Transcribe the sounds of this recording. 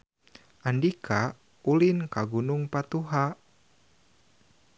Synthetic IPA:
ʔandikʰa | ulinkaɡunuŋpat̪uɦa

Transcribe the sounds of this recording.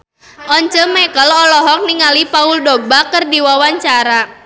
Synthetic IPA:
ʔɔɲt͡ʃəmɛkəlɔlɔɦɔk̚niŋalipauldobakərdiwawaɲt͡ʃaɾa

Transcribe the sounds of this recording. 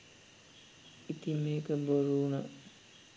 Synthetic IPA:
it̪imeːkəboɾuːna

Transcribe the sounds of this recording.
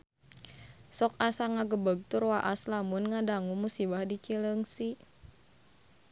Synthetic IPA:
sɔkasaŋaɡəbəɡ̚t̪urwaʔaslamunŋadaŋumusibahdit͡ʃiləŋsi

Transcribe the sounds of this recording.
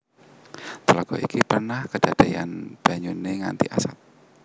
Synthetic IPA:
t̪əlaɡ̥ɔʔikipərnahkəd̥ad̥ajanb̥a̤ɲuneŋant̪iʔasat̪̚

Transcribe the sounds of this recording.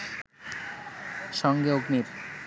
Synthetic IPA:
ʃɔŋɡeoɡmiɾ

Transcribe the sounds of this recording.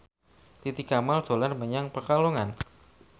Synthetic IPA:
t̪it̪ikamald̪̥o̤larməɲaŋpərkaloŋan

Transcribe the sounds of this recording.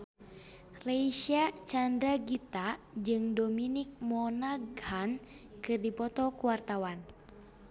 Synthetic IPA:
reiʃiat͡ʃandɾaɡit̪a | d͡ʒɨŋdɔminik̚mɔnaɡhankɨrdipɔt̪ɔkuwart̪awan

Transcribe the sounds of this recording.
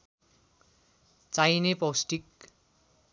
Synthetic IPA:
t͡sajnepʌwsʈik

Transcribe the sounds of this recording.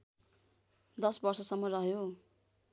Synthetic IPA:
d̪ʌsbʌrsʌsʌmːʌrʌɦjo

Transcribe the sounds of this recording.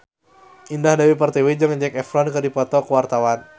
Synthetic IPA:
indahdawipərt̪ɛwid͡ʒaŋd͡ʒɛkɛfɾɔnkɨrdipɔt̪ɔkəwart̪awan

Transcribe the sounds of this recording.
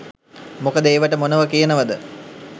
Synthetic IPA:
mukəd̪əeːʋəʈəmonəʋəkijənəʋəd̪ə

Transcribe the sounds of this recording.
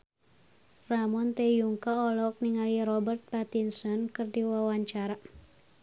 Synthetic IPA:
ramɔnt̪ɛjuŋkaɔlɔk̚niŋaliɾɔbərt̪̚pat̪insɔnkɨrdiwawaɲt͡ʃaɾa

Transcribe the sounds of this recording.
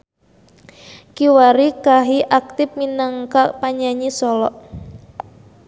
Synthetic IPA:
kiwaɾikaɦiʔak̚t̪ɪp̚minaŋkaʔpaɲaɲisɔlɔʔ

